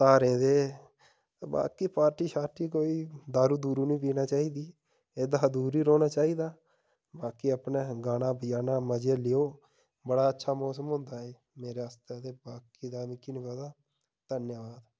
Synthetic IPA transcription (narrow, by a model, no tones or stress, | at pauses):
t̪aːɾẽːd̪eː | ba̰ːkiːpaːɾʈiːʃaːʈiːkoːiːd̪aːɾuːd̪uːɾuːnĩːp̬iːnaːt͡ʃaːiːd̪iː | eːd̪aːd̪uːɾiːɾoːnaːt͡ʃaːiːd̪aː | baːkiːəpneːɡaːɽãːbəjaːnaːməd͡ʒeːlɪjoː | bəɽaːətːʃʰaːmɔːs̬əmɦʊ̃nd̪aːeː | meːɾeːəst̪ed̪eːbaːkiːd̪aːmĩːkinukəd̪aː | d̪ənjaʋaːd̪